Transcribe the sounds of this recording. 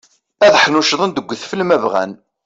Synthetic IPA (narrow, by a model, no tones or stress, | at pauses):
æðħnuʃðˤənd̪əɡʷːθfəlmævʁæ̰n